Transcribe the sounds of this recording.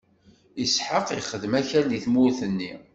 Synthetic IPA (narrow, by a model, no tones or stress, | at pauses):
isħəqiχəðmæçæɾliθmʊɾθənːi